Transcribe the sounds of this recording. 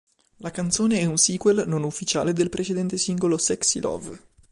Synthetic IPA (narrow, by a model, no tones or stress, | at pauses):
lakant̪soːneɛunsiːkwelnonufːit͡ʃa̰ːled̪elpɾʔet͡ʃed̪ɛnt̪esiŋɡolosɛksḭlɔ̰v